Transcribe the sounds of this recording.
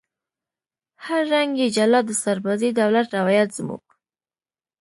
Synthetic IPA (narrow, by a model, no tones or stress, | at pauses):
haɾːaŋɡjed͡ʒalɑd̪əsaɾbazed̪awlat̪ɾawɑjat̪z̥mṵɡ̥